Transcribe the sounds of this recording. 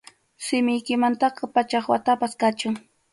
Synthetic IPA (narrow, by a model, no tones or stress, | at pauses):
sɪmɪjkɪmant̪ɑqɑpat͡ʃaχwa̰t̪apaskat͡ʃʊŋ